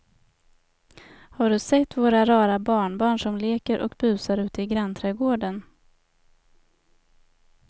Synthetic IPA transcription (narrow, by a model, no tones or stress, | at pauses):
haɖɵsɛt̪ːvoːɾaɾɑːɾabɑːɳbɑːɳʂɔmleːkəɾʔɔ̰kbʉ̟ːsaɾʉ̟ːt̪əɪɡɾant̪ʰɾɛːɡoːɖən